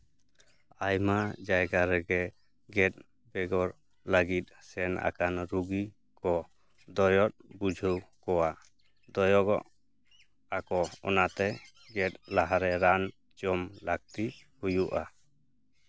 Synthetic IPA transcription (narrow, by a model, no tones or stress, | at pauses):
ajmad͡ʒajɡaɾɛɡɛ | ɡɛt̪̚ˀ | bɛɡɔɾ | laɡit̪̚sɛna̰kanɾuɡi | kɔ | d̪ɔjɔt̪̚bud͡ʒʱəwkɔwa | d̪ɔjɔɡɔʔ | akɔɔ̰nat̪ɛ | ɡɛt̪̚ˀlaɦaɾɛɾan | d͡ʒɔmlaɡ̚t̪ihujuʔa